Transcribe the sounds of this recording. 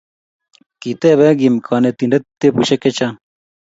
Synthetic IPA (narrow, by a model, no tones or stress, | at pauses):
kit̪eβɛɡimkʰɑnet̪iɳɖet̪ːepuɕeket͡ɕa